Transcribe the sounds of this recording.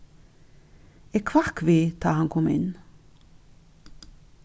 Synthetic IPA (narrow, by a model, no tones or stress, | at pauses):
ɛkʰvakviːd̪̥ɑːhaŋkʰɔmɪ̰n